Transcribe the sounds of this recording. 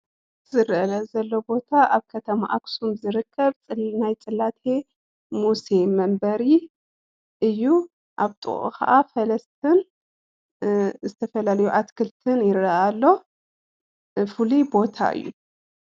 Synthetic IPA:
zɨɾʔɐlɐzɐlːo̞bo̞t̪ʰaʔaβkʰɐt̪ʰɐma̰ʔaksumzɨɾɨkʰːɐβt͡sʼɨlnajt͡sʼɨlːat̪ʰe̞ | muse̞mːɐmbɐɾi | ʔɨjːu | ʔaβt̪ʼɨ̰χʼo̰kʰɐ̰ʔafɐlɐst̪ʰɨn | zɨt̪ʰɐfɐlalɐjuʔat̪kʰɨlt̪ʰɨnjɪɾɐʔalːo̞ | fɨlibo̞t̪ʰa̰ʔɨ̰jːṵ

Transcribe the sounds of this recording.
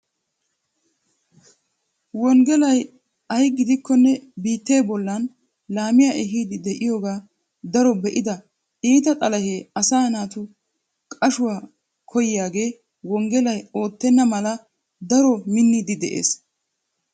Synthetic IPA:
wɔŋɡɛlɐj | ɐjɡɪd̪ɪkːɔnːɛbiːt̪ːe̞ːbɔlːɐn | laːmɪjaʔɛɦiːd̪ɪd̪ɛʔɪjoːɡaː | d̪ɐɾɔbɛʔɪd̪ɐ | iːt̪ɐt̪ʼɐlɐheːɐsaːnaːt̪ʊ | kʼɐʃʊwaː | kʰɔjjaːɡe̞ː | wɔŋɡɛlɐjo̞ːt̪ːɛnːɐmɐlɐ | d̪ɐɾɔmɪnːiːd̪ɪd̪ɛʔḛːs

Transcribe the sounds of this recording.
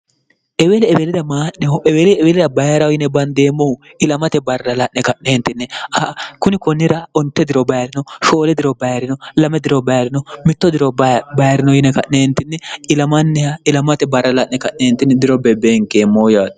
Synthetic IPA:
ʔɛwelɛɛbelɪd̪ɐmaːʔnɛʔɛweːlɛɛbelɪd̪ɐbɐjɾɐwjɪnːɛbɐnd̪e̞ːmːɔʊ | ɪlɐmɐt̪ɛbɐrːɐlɐʔnɛkɐʔneːnt̪ːɪnːɛɐkʊnɪkɔnːɪɾɐɔnt̪ːɛd̪ɪɾɔbɐjɾɪnɔʃo̞ːlɛd̪ɪɾɔbɐjɾɪnɔlɐmɛd̪ɪɾɔbɐjɾɪnɔmɪt̪ːɔd̪ɪɾɔbɐjɾɪnɔjɪnɛkɐʔneːnt̪ːɪnːɛɪlɐmɐnːɛɐɪlɐmɐt̪ɛbɐrːɐlɐʔnɛkɐʔeːnt̪ːɪnːɛd̪ɪɾɔbɛbeːŋkeːmːoːjaːt̪

